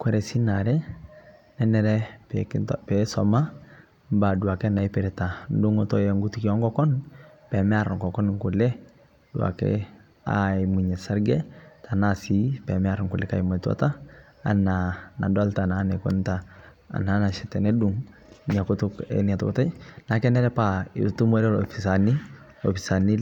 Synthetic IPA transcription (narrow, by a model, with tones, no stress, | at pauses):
kwɛ˦ɾɛ˨si˦na˨ɾɛ˦ | nɛ˦nɛɾɛ˦pɛ̰ktpɛsɔ̰ma˦ | mba˨du˨a˨kɛ˦na˨i˦pɪ˨ɾɛ˨ta˨n̩dʊ˦ŋotɔ˦jɛ˨ŋɡu˦ti˦ki˦ɔ˦ŋɡɔkɔ˦n | pɛ˨mɛ˦a˨ɾŋkɔ˨kɔ˦nŋku˨lɛ˦ | d̥uwa̰˨kɛ̰˦ | a̰i˨mu˨ɲɛ˨sa˦ɾɡɛ˦tʰa˨nasi˨pɛ˨mɛ˦a˦ɾŋku˨lɛ˦ka̰˨ima˨twa̰˦ta˦ | a̰˨nana̰˨dɔ˦lta˨na˦nɛkɔ̰nta̰ː˨ | na˦na˨ʃɛ˨tɛ˨nɛ˦du˦ŋ | ni˨a˨ku˦tʊ˦kɛ̰ni˨a˨tɔkɔta˦na˨kɛ˦nɛ˦ɾɛ˦paḭ˨ɾtu˦mwɛ˦ɾɛ˦lɔfisa˨ni˦ | ɔ˨fi˨sa˨ni˦